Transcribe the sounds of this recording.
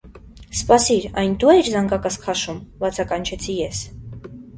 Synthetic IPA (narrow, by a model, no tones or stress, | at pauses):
spɑsiɾɑjnd̪uɛɾzɑŋɡɑkɑskʰχɑʃumbɑt͡sʰɑkɑnt͡ʃʰɛt͡sʰijɛs